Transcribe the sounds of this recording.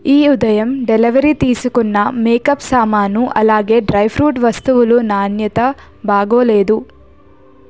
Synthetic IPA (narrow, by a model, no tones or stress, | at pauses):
iːud̪ɐjɐmɖeliʋɐɾit̪iːsukunːɐmeːkɐpsaːmaːnuʔɐlaːɡe̞ːɖɾɐjpʰɾuːʈʋɐst̪uʋulunaːnjɐt̪ɐ | baːɡoːle̞ːd̪u